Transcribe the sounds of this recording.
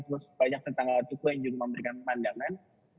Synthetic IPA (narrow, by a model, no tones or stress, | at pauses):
t̪uɾʊsu̥paɲak̚t̪ənt̪aŋaat̪ukujaŋd͡ʒuɡaməmbəɾikanpəmandaŋan